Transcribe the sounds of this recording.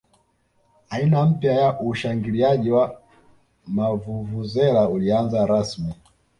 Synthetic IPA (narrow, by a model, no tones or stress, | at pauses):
ainam̩pjajaʔuʃaŋɡiliaʄiwa | mavuvuzɛlaulianzaɾasmi